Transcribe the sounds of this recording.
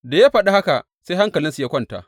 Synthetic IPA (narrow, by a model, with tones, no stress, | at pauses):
da˨ja˦ɸɐ˨ɗa˦ha˦ka˨ | sa˦jha˦ŋkɐ˨lɪ˦nsu˨ja˦kʷɐ˦˨nta̰˦ʔ